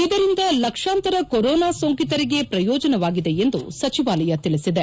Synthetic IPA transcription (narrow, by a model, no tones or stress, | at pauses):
id̪ɐɾind̪ɐlɐkʂaːnt̪ɐɾɐkoɾɔːnaːsoŋkit̪ɐɾiɡe̞pɾɐjɔːd͡ʒɐnɐʋaːɡid̪e̞end̪ṵsɐt͡ʃiʋaːlɐjɐt̪iɭisid̪e